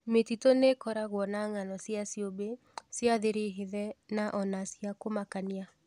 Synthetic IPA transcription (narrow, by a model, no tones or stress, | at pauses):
metitonekɔɾaɣwɔnaŋanɔsjasiobe | sjaðeɾeɦeðɛnaʔɔnasjakomakania